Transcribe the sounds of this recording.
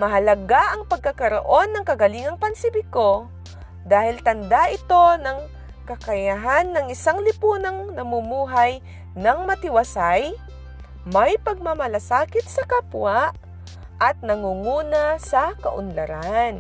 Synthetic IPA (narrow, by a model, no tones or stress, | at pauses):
mɐɦɐlɐɡaʔɐŋpɐɡ̚kɐkɐɾoʔo̞nːɐŋkɐɡɐliːŋɐŋpɐnsɪbɪko̞ | d̪aːhɪlt̪ɐnd̪aʔɪt̪o̞nɐŋ | kɐkɐjaɦanːɐŋɪsaŋlɪpuːnɐŋnɐmumuːɦɐj | nɐŋmɐt̪ɪwɐsaj | mɐjpɐɡ̚mamɐlɐsaːkɪt̪̚sɐkapwaʔ | ʔɐt̪̚nɐŋuŋuːnɐsɐkɐʔʊ̰nlɐɾan